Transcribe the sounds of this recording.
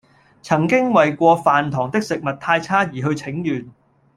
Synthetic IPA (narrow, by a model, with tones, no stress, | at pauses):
t͡sʰɐ˨˩ŋkɪ˥ŋwɐ˨jkʷɔː˧faː˨nt̪ʰɔː˨˩ŋt̪ɪ˥k̚sɪ˨k̚mɐ˨t̚t̪ʰaː˧jt͡sʰaː˥jiː˨˩ɦɵ˧ɥt͡sʰɪ˨˥ŋjyː˨˩n